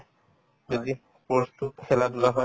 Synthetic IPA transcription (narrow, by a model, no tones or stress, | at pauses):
d͡ʒod̪i | pɾost̪ut̪kʰelad̪uɾaɦɔe